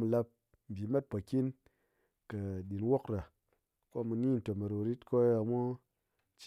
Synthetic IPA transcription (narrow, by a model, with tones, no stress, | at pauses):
mu˧la˧p̚ | m̩˨bʲi˨ma˦t̚po˨ki˦n | kə˨ɗi˨nwo˦kɾa˨ | ko˦mu˧ni˦n̩˨to˨me˨ɾo˨ɾi˦tko˦a˨mo˦ | t͡ʃ